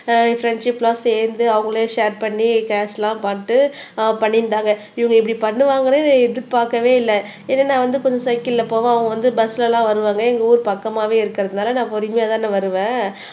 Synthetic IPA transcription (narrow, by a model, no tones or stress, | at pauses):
fɾɛɳɖʂɪpːlaːseːɾnd̪ɯɐʋɐŋɡɐɭjːʂeːɾpɐɳːikaːslãːpaːʈːɯpɐɳːɪnd̪aːŋɡɐ | ɪʋɐŋɡɐɪpːɐɽipɐɳːɯʋaːŋɡɐɾẽːnɛðɯɾpaːkːɐʋeːɪlːɛ | enːɐnːãːʋɐnd̪ɯkɔɲd͡ʒɐ̃sɐɪkːɪɪlːɐpːoːʋãɐʋɐɡɐʋɐnd̪ɯbɐsːlɐlãːʋɐɾɯʋaːŋɡɐɛŋɡɐuːɾpɐkːɐmaːʋeːɪɾɯkːɪɾɐðɯnaːlɐnãːpɔɾɪmɐjaːðaːnɯʋɐɾɯʋẽː